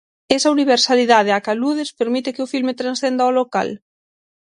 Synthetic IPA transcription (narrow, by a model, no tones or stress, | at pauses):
esɐuniβ̞eɾsaliðað̞eakaluð̞espeɾmit̪ɪkɪʊfilmet̪ɾansθend̪aoloka̰l